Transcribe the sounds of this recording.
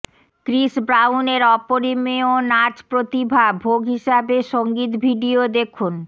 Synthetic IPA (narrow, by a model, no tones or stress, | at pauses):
kɾiʃbɾawneɾɔpoɾimeonad͡ʑpɾot̪ibʱabʱoɡʱɦiʃabeʃoŋɡit̪bʱiɖiod̪ekʰun